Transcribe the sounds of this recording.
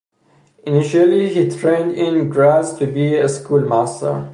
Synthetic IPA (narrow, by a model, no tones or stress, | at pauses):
ɨnɪʃəlˠihitʰɹẽɪ̃ndɪ̃nɡɹæztʰɨbiɨskulˠmæstə̰˞